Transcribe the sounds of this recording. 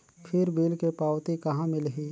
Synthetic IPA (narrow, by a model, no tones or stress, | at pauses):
pʰɪɾbiːlkepaːwt̪ikɐɦãmɪlɦiː